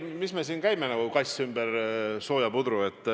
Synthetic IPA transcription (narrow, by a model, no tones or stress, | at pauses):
misme̞siːnkæjmenæɡukɑjsymbɛɾso̞ːjɑpud̪ɾue̞t̪ːˑ